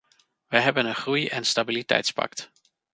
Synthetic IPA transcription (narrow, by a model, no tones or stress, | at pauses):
ʋəjɦɛbənənχrujɛnstabilitɛ̰jtspɑ̰kt